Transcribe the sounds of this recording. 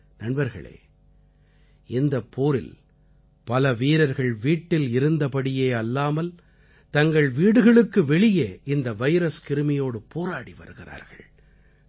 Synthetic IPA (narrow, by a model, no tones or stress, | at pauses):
nɐɳbɐɾɣɐ̰ɭḛː | ɪnd̪ɐpːoːɾɪ̰l | pɐlɐʋiːɾɐɾɣɐɭʋiːʈːɪlɪɾɯnd̪ɐpɐɽɪjeːɐlːaːmɐl | t̪ɐŋɡɐɭʋiːɽɯɣɐɭɯkːɯʋɛɭɪjeɪnd̪ɐʋɐɪɾɐskɪɾɯmɪjoːɽɯpoːɾaːɽiʋɐ̰ɾɯɣɪra̰ːɾɣɐ̰ɭ